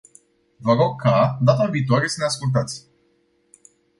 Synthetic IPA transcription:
vəɾokʰːad̪at̪aviːt̪̬oaɾe̞səneaskult̪̬at̪sʲ

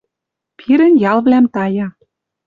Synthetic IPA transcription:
pʰiɾə̆njɑlβlæmt̪ɑjɑ

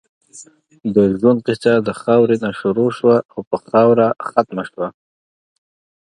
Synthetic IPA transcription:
d̪əʒwanqɪsad̪əxɑwɾenaʃuɾoʃwaawpəxɑwɾaxat̪maʃwa

